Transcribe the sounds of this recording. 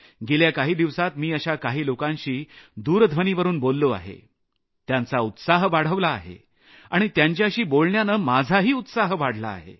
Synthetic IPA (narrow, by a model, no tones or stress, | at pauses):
ɡeljakaɦiːd̪iʋsat̪miːəɕakaɦiːlokãnɕiːd̪uːɾd̪ʱʋəniːʋəɾuːnbolːoa̰ɦḛ | t̪jant͡saut̪saɦʋaɽ̤əʋlaːɦḛ | aɽ̃it̪jaɲt͡ɕjaɕiːbolɳjanəmad͡zʱaɦiːut̪saɦʋaɽ̤la̰ːɦḛ